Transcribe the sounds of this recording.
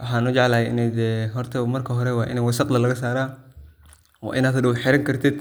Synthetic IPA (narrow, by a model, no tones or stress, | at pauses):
wɑħaːnʊd͡ʒɑʕlaːhɛʔɪ̰nɛːd̪ɛɦɔrt̪ʰɐmɐrkʰɐɦɔɾɛwɑːʔɪ̰nɛːjwɐsɑqlɐlɐɣɐs̬aːɾaː | wɑ̰ːʔɪnaːd̪dɐwħɪɾɐŋkʰɐrt̪ʰɪd̪̥